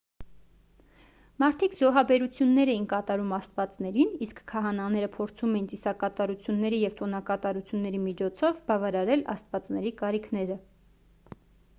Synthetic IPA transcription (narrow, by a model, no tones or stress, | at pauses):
mɑɾt̪ʰikzɔɦɑbɛɾut͡sʰjunːɛɾɛjinkɑt̪ɑɾumɑst̪vɑt͡snɛɾiniskʰːɑɦɑnɑnɛɾəpʰɔɾt͡sʰumɛjint͡sisɑkɑt̪ɑɾut͡sʰjunːɛɾijɛvt̪ɔnɑkɑt̪ɑɾut͡sʰjunːɛɾimit͡ʃʰɔt͡sʰɔvbɑvɑɾɑɾɛlɑ̰st̪vɑt͡snɛɾikɑɾikʰnɛɾə